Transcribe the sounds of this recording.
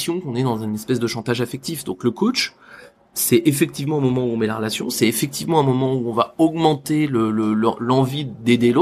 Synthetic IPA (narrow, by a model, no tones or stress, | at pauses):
sjɔ̃kɔ̃nɛd̪ɑ̃zɛ̃nɛspɛsd̪əʃɑ̃t̪aʒafɛk̚t̪ifd̪ɔ̃kləkot͡ʃ | sɛʔefɛk̚t̪ivmɑ̃ɛ̃mɔmɑ̃uɔ̃mɛlaʁəlasjɔ̃sɛefɛk̚t̪ivmɑ̃ɛ̃mɔmɑ̃uɔ̃vaɔɡmɑ̃t̪elələl̰lɑ̃vid̪ed̪elo